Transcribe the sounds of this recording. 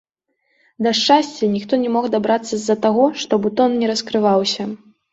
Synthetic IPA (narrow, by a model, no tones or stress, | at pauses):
d̪ɐʂt͡ʂasʲt͡sʲɛnʲixt̪ɔnʲɛmɔɣd̪abɾat̪sːɐzːɐt̪aɣɔʂt̪ɔbut̪ɔnnʲɛɾɐskɾɨvawsʲɐ